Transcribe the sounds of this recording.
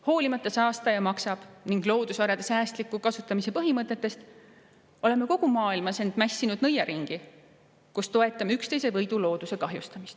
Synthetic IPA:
ho̞ːlimɑt̪ːˑɑsɑːst̪ɑjɑmɑksɑb̥niŋɡ̥lo̞ːd̪̥usvɑɾɑd̪̥esæːst̪likːˑukɑsut̪ːˑɑmise̞pɤɦimɤt̪ːˑe̞t̪ːˑe̞st̪ | o̞le̞meko̞ɡ̥umɑːilmɑse̞nd̪̥mæsʲːinud̪̥nɤjɑɾʔiŋɡ̥i | kust̪o̞e̞t̪ːˑɑmykst̪ejse̞vɤjd̪ulo̞ːd̪use̞kɑɦjust̪ɑmist̪

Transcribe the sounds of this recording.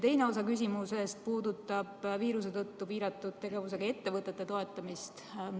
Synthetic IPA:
t̪e̞jne̞o̞sɑkys̬ʲimuse̞st̪̚puːd̪ut̪ːˑɑb̥viːɾus̬e̞t̪ɤt̪ːuviːɾɑt̪ːˑud̪̥t̪e̞ɡe̞vuse̞ɡ̥ɑe̞t̪ːe̞vɤt̪ːˑe̞t̪ːe̞t̪o̞e̞t̪ːˑɑmist̪

